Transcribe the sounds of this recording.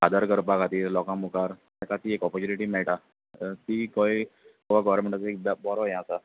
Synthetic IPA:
ad̪aɾkəɾpakat̪iːɾlɔkãmukaɾ | akat̪iekɔpəɾt͡ɕuniʈiːmɛɭʈa | t̪iːkojkoʋaɡɔʋəɾmeɳʈat͡saek̚b̪abɔɾɔjɛ̃asa

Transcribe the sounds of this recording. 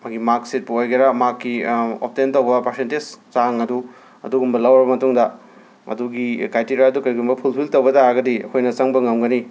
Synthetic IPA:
maɡimaksit̚puojɡeɾamakːio̰p̚tentɐwbɐpaɾsentezt͡ʃaŋɐdu | ɐduɡumbɐlɐwɐɾbɐmɐtuŋdɐ | ɐ̰duɡikajtiɾjaɐdukɐɾiɡumbɐpʰulpʰiltɐwbɐdaɡɐdiɐ̰kʰojnɐt͡ʃɐŋbɐŋɐmɡɐni

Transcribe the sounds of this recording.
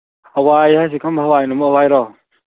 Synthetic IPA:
awajhajs̬ikʰambʰʱawajnumawajɾɔ

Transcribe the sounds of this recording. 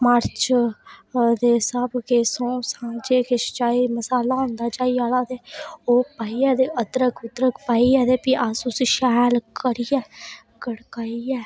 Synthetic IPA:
məɾt͡ʃ | d̪eːsəbkeːsõːsãːd͡ʒeːkeʃt͡ʃaːiːməsaːlaːɦõːnd̪aːt͡ʃaːiaːlaːd̪eːoːpaːiːɛːd̪eːʔəd̪ɾəkʰʊd̪ɾəkʰpaːiːɛːd̪eːpiːʔasʊsiʃɛːlkəɾijɛː | ɡəɽkaːiɛː

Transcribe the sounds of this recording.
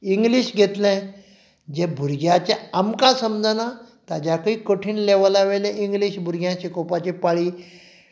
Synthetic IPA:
iŋɡliɕɡʱet̪lɛ̃ | d͡ʑẽbʱuɾɡjat͡ɕeəmkãsəmd͡zanat̪ad͡ʑakəiːkoʈʰiːnleʋalaʋelẽʔiŋɡliɕbʱuɾɡjãt͡ɕekopat͡ɕepaɭiː

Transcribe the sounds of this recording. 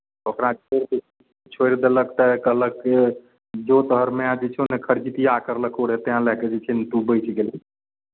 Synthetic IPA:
okɾãt͡ʃʰoɾd̪ | t͡ʃʰojɾd̪ələkt̪əkəɦləkːe | d͡ʒot̪əɦəɾmead͡ʒet͡ʃʰonəkʰəɾt͡ʃit̪iakəɾləkʰoɽet̪eɦãlɛked͡ʒet͡ʃʰɛnt̪ubəɪt͡ʃʰɡel

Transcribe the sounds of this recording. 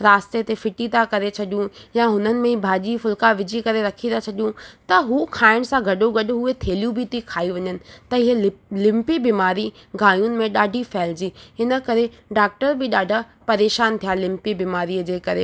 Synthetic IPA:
ɾaːst̪et̪efɪʈit̪akɐɾet͡ɕʰɐɗijũjaɦʊnənɪ̆mẽbʱaːd͡ʑifʊlkaʋɪd͡ʑikɐɾeɾɐkʰĩd̪at͡ɕʰɐɗijũt̪ɐɦuːkʰaːɪɽ̃sãɡʱɐɗoɡɐɗɦuet̪ʰeːlijũbʱɪt̪ikʰaːiʋɐɲənɪ̆t̪ɐɪɦelɪ̃mpibiːmaːɾiɡʱaːĩjʊnɪ̆mẽɗaːɖʱifɛːld͡ʑiːɦɪnə̆kɐɾe | ɖaːk̚ʈəɾbɪɗaːɖʱa | pɐɾeːʃaːnt̪ʰijalɪ̃mpibiːmaːɾiəd͡ʑeːkɐɾe

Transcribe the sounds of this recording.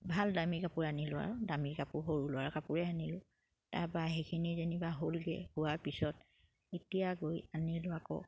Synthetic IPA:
bʱaldamikapʊɹanilʊa̰ɹɔdamikapʊɹɦoɹulʊa̰ɹkapʊɹɛanilʊ | ta̰ɹpaɦekʰinizenibaɦolɡɛ̰hʊwaɹpisɔt̚ | etijaɡojanilʊwakɔ̰

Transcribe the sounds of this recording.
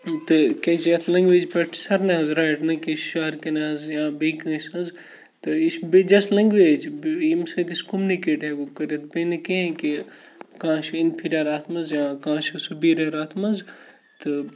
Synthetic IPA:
t̪ɨkɐsjɐt̪ʰlɐ̃ŋɡʋeːd͡ʒpɐʈʰsɐɾnɐɦɐzɾajʈnɐkiʃaɾkenɐɐzjãːbekɐ̃sɐ̃nz | t̪ɨisbed͡ʒɐslɐŋɡʋeːd͡ʒbimsɐt̪iskumnikeːʈeɡukɐɾjɐt̪̚benɨkeɦẽke | kãːʃinpʰiɾaɾaːt̪ʰmɐnzjãːkãːʃɨsubiɾʲaɾaːt̪ʰmɐnz | t̪ɨ

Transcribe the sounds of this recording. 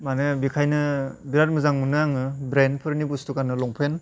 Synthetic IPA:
manɯbikʰajnɯbiɾaɾmɯzaŋmɯnɯaŋɯbɾenpʰɯɾnibustukanɯlɔŋpʰen

